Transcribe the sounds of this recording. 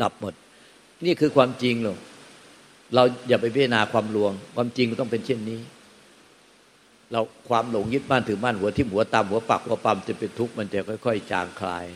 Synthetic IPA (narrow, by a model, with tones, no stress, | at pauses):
da˨˩p̚mo˨˩t̪̚ | niː˥˩kʰɯː˧kʰwaː˧mt͡ɕi˧ŋloː˧˩ŋ | ɾa˧wjaː˨˩p̬a˧jpʰa˥˩t̪ʰa˧naː˧kʰwaː˧mlu˧əŋkʰwaː˧mt͡ɕi˧ŋkt̪ɔ˥˩ŋpe˧nt͡ɕʰi˥˩nːiː˦˥ | ɾa˧wkʰwaː˧mlo˨˩˦ŋjɯ˦˥˩t̪̚maː˥˩t̪ʰɯː˩˦maː˥˩nhu˩˦ɐt̪ʰiː˥˩hu˩˦ɐt̪a˧mhu˨˩˦ɐpa̰˨˩k̚hu˨˩˦ɐpa˧mt͡ɕa˨˩pe˧nt̪ʰu˦˥k̚ma˧nt͡ɕa˨˩kʰɔ˥˩jkʰɔ˥˩jt͡ɕa̰ː˧ŋkʰla̰ː˧j